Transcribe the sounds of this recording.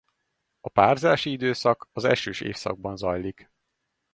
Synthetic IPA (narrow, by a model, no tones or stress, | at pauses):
ɒpaːrzaːʃiid̪øːsɒkɒzɛ̰ʃøːʃḛːfsɒ̰ɡ̚bɒnzɒjlik